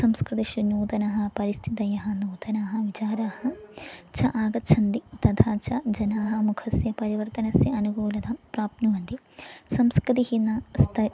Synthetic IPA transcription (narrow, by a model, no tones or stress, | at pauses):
sɐmskɾit̪iʃinuːt̪ɐnɐɦɐ̆pɐɾist̪ʰit̪ɐjɐɦɐnuːd̪ɐnaːɦɐ̆ʋit͡ʃaːɾaːhɐt͡ʃʰɐʔaːɡɐtːt͡ʃʰɐnd̪it̪ɐd̪ʰʱaːt͡ʃʰɐd͡ʒɐnaːɦɐ̆mukʰɐsjɐpɐɾiʋɐɾt̪ɐnɐsjɐɐnuɡuːlɐd̪ʰɐpɾaːpnuʋɐnd̪i | sɐmskɾit̪̬ihinːɐst̪ʰɐ